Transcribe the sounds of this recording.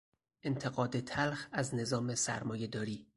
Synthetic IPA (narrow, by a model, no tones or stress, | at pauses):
ʔe̞nt̪ʰe̞ɣɒːd̪et̪ʰælxæzne̞zɒːmesæ̰ɾmɒːje̞d̪ɒːɾiː